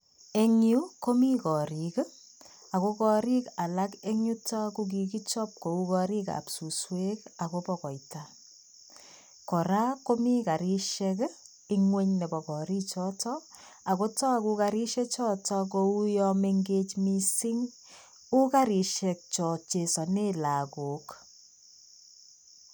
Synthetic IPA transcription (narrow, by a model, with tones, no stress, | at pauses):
e˦ŋu˦ko˦mi˦kɔ˨ɾi˨k | a˨ko˦kɔ˧ɾi˦ka˨la˦ke˦ŋu˦tɔ˦ku˦k̬i˨ki˦t͡ʃɔ˦p̚ko˨u˦kɔ˨ɾi˦ka̰˨psu˨swe˦ka˨ko˦pɔ˨kɔ˨jta | kɔ˨ɾa˦ko˦mi˦ka˨ɾi˦ʃek | i˦ŋwe˦ɲne˨bɔ˨kɔ˨ɾi˦t͡ʃɔtɔ | a˨ko˦tɔ˦a˨ku˧kaɾi˦ʃɛ˦t͡ʃɔ˦tɔ˦k̬o˨u˦jɔme˦ŋɡet͡ʃmi˦si˦ŋ | u˦kaɾi˨ʃɛ˨k̚t͡ʃɔ˨t͡ʃe˨sɔ˨ne˦la˨ko˨k